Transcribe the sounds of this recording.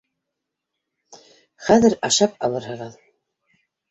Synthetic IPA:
χæðɘɾɑʃɑp̚ɑlˠɤɾhɤ̆ʁɤð

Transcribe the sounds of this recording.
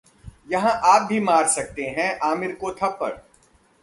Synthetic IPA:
jɐɦãʔaːp̚bʱimaːɾsɐk̚t̪eɦɛ̃ʔaːmɪɾkot̪ʰɐpːɐ̰ɾ

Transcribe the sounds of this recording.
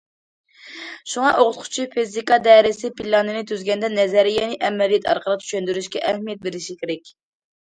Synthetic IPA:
ʃuŋɑʔoʁʊt̪̚qʰʊ̥t͡ʃʰipʰizikɑd̪ɛɾɪsɪpilɑnɨnɪt̪ʰyzɡʲɛnd̪ɛnɛzɛɾɪjɛnɪʔɛmːɛlijɛt̪ʰɑ̰ɾqʰəlˠətt͡ʃ̪ʰy̥ʃɛnd̪yɾyʃkʲɛʔɛhmijɛt̪̚beɾɪʃikʲʰeɾɛkʲ

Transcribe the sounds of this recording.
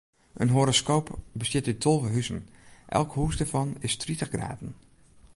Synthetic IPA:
ʔə̰nɦoɾoskowpbəsɪtytʰolˠvəɦysənʔɛ̰lˠkhuːsdəɹvɑnɪstritəχɡra̰ːtn̩

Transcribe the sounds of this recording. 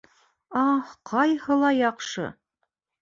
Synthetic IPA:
ɑqʰɑjhɤlˠɑjɑqʃɤ̰

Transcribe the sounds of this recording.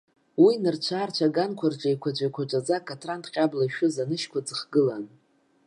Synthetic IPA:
winɨrt͡ʃʷʰaːrt͡ʃʷʰaɡankʷʰard͡ʒʷʼajkʷʰad͡ʒʷajkʷʰat͡ʃʷʼad͡zakʼatʰrantqʲʼablaʃᶣʊzanɨʃkʷad͡zɨχɡɨlan

